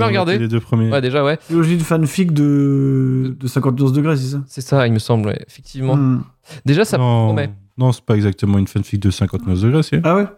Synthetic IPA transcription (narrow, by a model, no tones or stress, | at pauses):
vɛʁəɡaʁd̪eled̪øpχəmjewɛd̪eʒawɛselɔʒinfanfik̚d̪ə | d̪əsɛ̃kɑ̃t̪nɔfd̪əɡʁes̬ɛs̬asɛsailməsɑ̃blwɛ̰efɛk̚t̪ʰivmɑ̃ | d̪eʒasanɔ̃mɛnɔ̃sɛ̥paɛɡzak̚t̪əmɑ̃ynfanfik̚d̪əsɛ̃kɑ̃t̪nɔfd̪əɡʁeseawɛ